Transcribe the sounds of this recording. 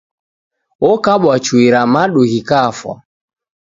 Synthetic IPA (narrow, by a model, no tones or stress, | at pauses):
ɔkaɓwat͡ʃwiɾamaɗuɣikafwa̰